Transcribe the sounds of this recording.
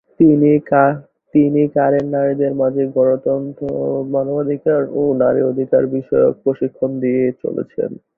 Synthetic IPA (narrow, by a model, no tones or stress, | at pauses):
t̪inia | t̪inikaɾeɾnaɾid̪eɾmad͡ʑʱeɡɔɽot̪ɔnt̪omanobad̪ʱikaɾonaɾḭod̪ʱika̰ɾbiʃɔjo̰k̚pɾoʃikʰːond̪iet͡ɕo̰lḛt͡ɕʰḛn